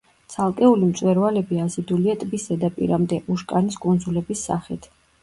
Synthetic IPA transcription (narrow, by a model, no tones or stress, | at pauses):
t̪sʰalˠkʼɛulimt̪sʼwɛɾvalɛbiazid̪uliat̪ʼbisɛd̪apʼḭɾamd̪ɛʔuʃkʼaniskʼund̪zulɛbisːa̰χit̪ʰ